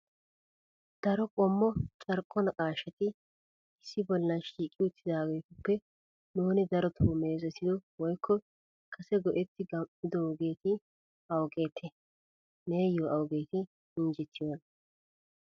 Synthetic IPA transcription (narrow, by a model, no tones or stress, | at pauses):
d̪̥ɐɾɔkʼɔmːɔt͡ʃʼɐɾkʼːɔnɐkʼaːʃɐt̪ɪ | ɪsːɪbɔlːɐʃiːkʼɪʊt̪ʰːɪd̪aːɡekʊpːɛ | nuːnɪd̪ɐɾɔt̪ʰoːmeːzɔt̪ɪjɔwɔjkʰːɔ | kʰɐsɛɡɔʔɛt̪ːɪɡɐmɪd̪owɡe̞ːt̪ɪ | ɐwɡe̞ːt̪ʰːɛ | neːjoːʔɐwɡe̞ːt̪ɪ | ɪnd͡ʒɛt̪ʰːɪjoːn